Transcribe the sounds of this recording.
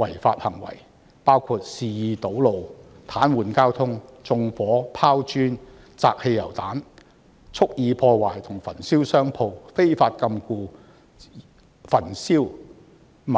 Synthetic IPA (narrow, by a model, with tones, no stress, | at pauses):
wɐ˨˩jfa̰ː˧t̚hɐ˨˩ŋwɐ̰˨˩j | paː˥wkʰuː˧t̚siː˨˧jiː˨˧t̪o˨˥wlo˨˧w | t̪ʰaː˨˥nwuː˨nkaː˥wt̪ʰʊ˥ŋt͡sʊ˧ŋfɔː˨˥pʰaː˥wt͡ʃyː˥n | t͡saː˧k̚he˧jɐ˨˩wt̪aː˨˥n | t͡sʰʊ˥k̚jiː˨˧pʰɔː˧waː˨˩jt̪ʰʊ˨˩ŋfɐ˨˩nsiː˥wsœː˥ŋpʰo˧wfe˥jfaː˧t̚kɐ˧mkuː˧ | fɐ˨˩nsiː˥w | m˨